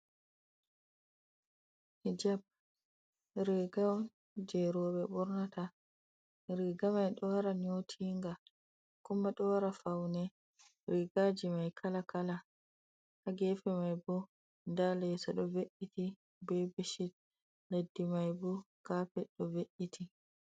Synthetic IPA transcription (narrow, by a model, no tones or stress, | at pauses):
hid͡ʒab̚ | ɾɛɡaw | d͡ʒɛɾɔɓɛɓɔɾnata | ɾiɡamajɗɔwaɾaɲotʰiːŋɡa | kumːaɗɔwaɾafawnɛ | ɾiɡad͡ʒimajkʰalakala | haɡɛfɛmajbu | ndalɛsaɗɔveʔːiti | bɛbeʃit̚ | ledːimajbu | ɡ̥apɛɗɔveʔitʰi